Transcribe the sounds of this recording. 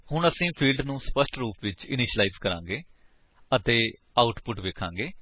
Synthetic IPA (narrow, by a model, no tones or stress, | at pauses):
hʊɳəsĩːpʰiːlɖnũːspəsʈɾuːpʋɪt͡ʃɪ̰nɪʃəlaizkəɾãːŋɡeː | ət̪eː | aːʊʈpʊʈʋeːkʰãːŋɡeː